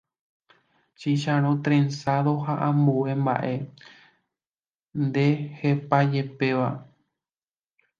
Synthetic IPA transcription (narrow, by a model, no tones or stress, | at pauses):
t͡ʃiʃãɾ̃õt̪ɾẽnsaðo̞ɦaʔãmbue̞mba̰ʔe̞ | nd̪e̞he̞pad͡ʒe̞pe̞ʋa